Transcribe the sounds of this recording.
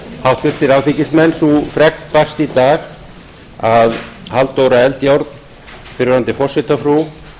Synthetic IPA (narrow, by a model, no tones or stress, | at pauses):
hawht̪vɪɾ̥t̪ɪɾaɣθicɪsmɛnsufɾɛknpar̥st̪it̪aːɣ | aðhalt̪owɾaɛlt̪jawɾt̪n | fɪɾɾant̪ɪfɔr̥sɪt̪afɾu